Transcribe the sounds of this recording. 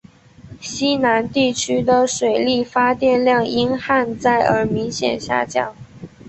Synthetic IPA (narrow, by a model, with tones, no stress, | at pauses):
ɕi˥na˧˥nt̪i˥˩t͡ɕʰy˥d̪ə˨ʂwe˨˩ɪli˥˩fa˥t̪jɛ˥˧nljɑ˥˩ŋi˥nxa˥˧nt͡sa˥˩ɪʔə˞˧˥mi˧˥ŋɕjɛ̰˨˩nɕja̰˥˧t͡ɕjɑ˥˩ŋ